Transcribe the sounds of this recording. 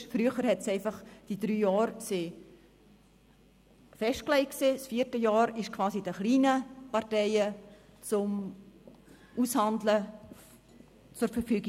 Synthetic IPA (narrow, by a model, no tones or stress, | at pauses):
fɾyəχəɾhɛtsɛɪfɑχd̥idɾyːjɑːɾseː | fɛʃt̚klɛɪkseːsfiːɾtəjɑːɾɪʃkʰv̥ɑːsid̥əχliːnəpɑɾtɛɪə | t͡sʊm | ʔushɑndlə | t͡sʊɾfərfyːɡi